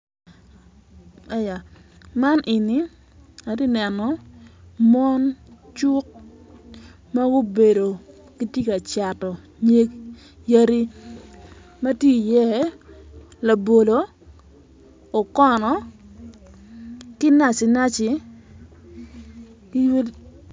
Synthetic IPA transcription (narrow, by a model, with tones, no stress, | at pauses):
a˨ja˨ | ma˦nʔɪ˨ni˨˦ | a˨di˦nɛ˨nɔ˨ | mɔ˦nt͡ʃu˦k̚ | ma˦ɡo˦be˨do˨ | ki˦tje˦ka˨t͡ʃa˨tɔ˨ | ɲe˦ɡ | ja˦ɾi˦ | ma˦tje˦˨jɛ˦ | la˨bo˨lo˨ | o˨kɔ˦nɔ˨ | kɪ˦na˨t͡ʃɪ˨na˦t͡ʃɪ˨ | ki˦w